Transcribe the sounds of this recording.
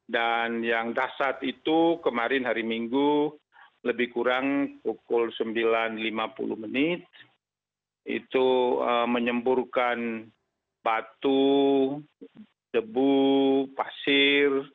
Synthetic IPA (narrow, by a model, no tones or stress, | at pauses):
danjaŋdasat̪it̪ukəmaɾɪnhaɾimiŋɡu | ləbɪhkuɾaŋpukʊlsəmbilanlimapṵlṵhmənɪt̪̚ | ḭt̪uəməɲəmburkan | bat̪u | dəbupasɪr